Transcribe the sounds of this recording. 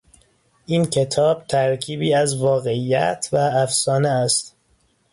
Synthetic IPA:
ʔiːncʰe̞t̪ʰɒːb̥̚t̪ʰæɾcʰiːbiːæzvɒːɣe̞iːjæ̰t̪ʰvææfsɒːneæst̪

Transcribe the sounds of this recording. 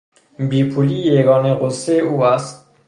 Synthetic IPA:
biːpʰuliːjeɡɒːneɣosːeʔuːæst̪̚

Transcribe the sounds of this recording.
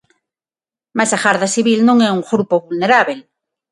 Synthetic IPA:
masaɣaɾðasiβilnõŋɛuŋxɾupoβulneɾaβel

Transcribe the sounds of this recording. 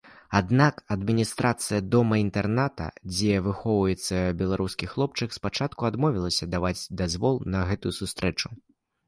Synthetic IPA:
ad̪nakɐd̪mʲinʲist̪ɾat̪sɨjɐd̪ɔmɐint̪ɛrnat̪ɐ̰d͡zʲɛvɨxɔvɐjɛt̪sːɐbʲɛlˠaɾuskʲixlˠɔp̚t͡ʂɨkspat͡ʂat̪kuad̪mɔvʲilˠɐsʲɐd̪avad͡zʲd̪azvɔlˠnɐɣɛt̪ujusust̪ɾɛt͡ʂu̥

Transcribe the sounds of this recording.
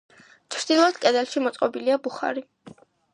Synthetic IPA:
t͡ʃʰɾd̪̥ilˠɔd̪̥kʼɛd̪ɛlʃimɔt̪sʼqʼɔbiliabuχa̰ɾi

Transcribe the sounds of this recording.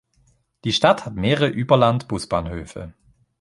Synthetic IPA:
d̥iːʃtathatmeːʁəʔyːbɐlantb̥ʊsb̥aːnhøːfə̰

